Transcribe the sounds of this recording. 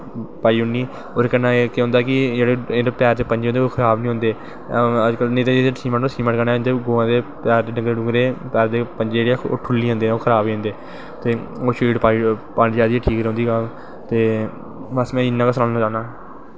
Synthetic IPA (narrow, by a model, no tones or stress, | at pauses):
paːiːɦʊniː | oːɾeːkənːãːeːkeːɦʊ̃nd̪aːkɪd͡ʒeːɽeːedepɛːɾd̪eːpəɲd͡ʒeːõːnd̪eoːkʰəɾaːbnĩɦʊ̃nd̪eː | əd͡ʒkəlneːt̪eːd͡ʒed̪esiːmə̃ɳʈːsiːmə̃kənaːnd̪eːɡoːãːd̪eːpɛːɾd̪eːɖəŋɡɾeːɖʊ̃ŋɡɾeːpɛːɾd̪eːpənd͡ʒed͡ʒeːɽoːʈʰʊlːiːɦõːnd̪eːɛ̃oːkʰəɾaːbiːõːnd̪eː | t̪eː | oːʃiːɖpaːipaːnd͡ʒaːd̪iːɛʈʰiːkɾõnd̪iːɡal | t̪eː | ʋəsmɛ̃ːɪnːãːkəsənaːnaːt͡ʃaːnãː